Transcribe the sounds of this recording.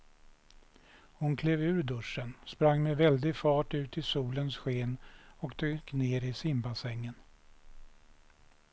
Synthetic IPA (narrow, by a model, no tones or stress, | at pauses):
hʊnkʰleːvʉ̟ːɾd̪ɵʂːənspɾaŋːmɛvɛld̪ɪfɑːʈʉ̟ːt̪ɪsuːlənsɧeːnɔkt̪ʰɾʏkneːɾɪsɪmbasɛŋːən